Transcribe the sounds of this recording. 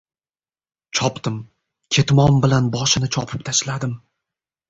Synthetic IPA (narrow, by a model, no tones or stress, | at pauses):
t͡ʃʰɒpt̪ɪm | kʲʰe̞t̪mɒmbɪlanbɒʃɪnɪt͡ʃʰɒpʰɪp̚t̪ʰaʃlad̪ɪm